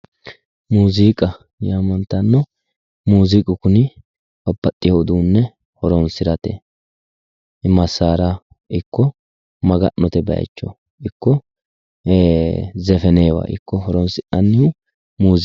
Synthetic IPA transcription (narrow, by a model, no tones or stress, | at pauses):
muːziːkʼɐ | jaːmɐnt̪ɐnːɔ | muːzikʼɪkʊnɪ | bɔbːɐt̪ʼːɪjod̪uːnːɛ | hɔɾɔnsɪɾɐt̪ḛ | ʔɪmɐsːaːɾa | ʔɪkːɔ | mɐɡɐnːɔt̪ɛbɐ̰ɐ̰t͡ʃːɔ̰ | ɪkːɔ | zɛfɛneːwa̰ːʔɪ̰kːɔhɔɾɔnsɪʔɐnːɪhʊ | muːz